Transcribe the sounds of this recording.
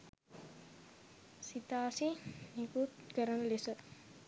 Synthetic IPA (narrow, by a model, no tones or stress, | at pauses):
sit̪aːsinikut̪kəɾənəlesə